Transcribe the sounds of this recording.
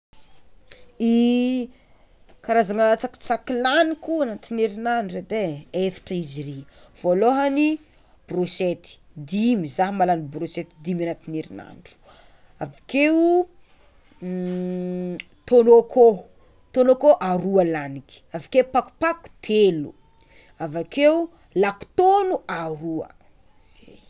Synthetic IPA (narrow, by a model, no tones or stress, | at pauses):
i | kaɾazaŋat͡sakt͡sakilanikuanat̪ineɾinanɖ͡ʐed̪eefḁʈ͡ʂəizire | v̥oloɦani | b̥ruset̪i̥ | d̪imizaɦmalanibruset̪id̪imanat̪ineɾḭna̰nɖ͡ʐu̥ | avake | t̪onokʰo | t̪onokoʔaɾualaniki̥avakepaku̥paku̥t̪ʰelu | avakeu | laku̥t̪onuaɾuə̰ | z̥e